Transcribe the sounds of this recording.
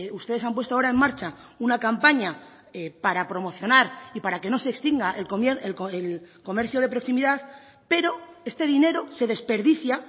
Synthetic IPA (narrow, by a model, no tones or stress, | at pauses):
ust̪ee̞samp̬we̞st̪oaoɾae̞mːaɾt͡ʃa | unakampaɲa | epaɾapɾo̞mo̞θjo̞naɾipaɾake̞no̞se̞ːkst̪iŋɡaʔelkomeɾelkoelko̞me̞ɾθjo̞ð̞e̞pɾo̞ksimiðað | pe̞ɾo̞e̞st̪e̞ðine̞ɾo̞se̞ðe̞spe̞ɾðiθja